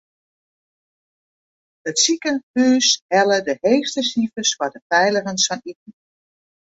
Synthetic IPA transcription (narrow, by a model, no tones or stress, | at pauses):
ətsikənhyːshɛlədəheːstəsivəswadəpɛjləɣənsfɔnit̚n̩